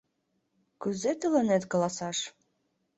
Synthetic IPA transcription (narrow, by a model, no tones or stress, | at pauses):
kɵzet̪ə̆lɤ̆net̪kɤ̆lɑsɑʃ